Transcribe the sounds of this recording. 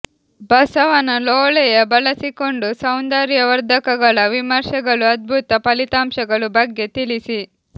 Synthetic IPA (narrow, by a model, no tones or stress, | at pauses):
bɐsɐʋɐnɐloːɭɛjɐbɐlɐsiko̞ɳɖusɐwnd̪aːɾjɐʋɐɾd̪ʱɐkɐɡɐɭɐʋimɐɾʃɐɡɐɭuɐd̪̚bʱut̪ɐpɐlit̪aːmʃɐɡɐɭubɐɡːe̞t̪ilisi